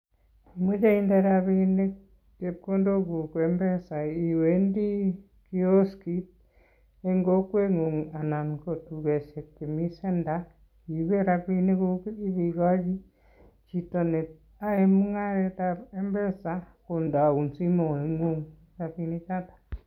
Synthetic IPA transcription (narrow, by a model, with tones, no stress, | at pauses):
i˨mwe˦t͡ʃe˦i˦ndeɾaβine˦ | ke˨pko˦ndo˦ku˨kwe˨mbe˦sa˨i˨wendi˦ | ki˦o˦ski˦t̚ | e˦ŋɡo˦kwe˦ŋo˨ŋa˨na˨ŋko˨tuɣe˨ʃe˨kːe˨mi˦se˦nda | i˨we˦ɾa˨βi˦ne˦kui˦βi˨ɣa˦βi˦ | t͡ʃito˨ne˨ | a˦e˦mu˦ŋa˦ɾe˦tae˦mbɛ˦sa | ko˨nda˨u˨nsi˦mo˨e˨ŋo˦ŋ | ja˨βi˧ne˦t͡ʃatḁ